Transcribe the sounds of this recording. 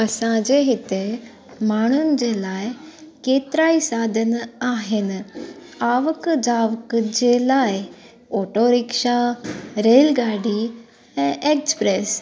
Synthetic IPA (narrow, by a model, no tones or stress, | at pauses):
ɐsãd͡ʑeɦɪt̪e | maːɽ̃ʊnɪd͡ʑeːlaːɪkeːt̪ɾaːisaːd̪ʱənaːɦɪn | aːʋəkd͡ʑaːʋəkd͡ʑeːlaːɪ | oːʈoɾɪkʃaɾeːlɡaːɖi | ɛ̃ːʔeːkspɾeːs